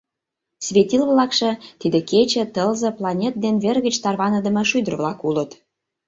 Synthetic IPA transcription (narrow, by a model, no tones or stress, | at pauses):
sβʲetʲilβlɑkʃɤ̆t̪id̪ĕket͡ɕĕt̪əlzɤ̆plˠɑnʲet̪̚d̪enβerɣə̆t͡ɕt̪ɑrβɑnə̆d̪ə̆mɤ̆ʃyd̪ə̆rβlɑkulət̪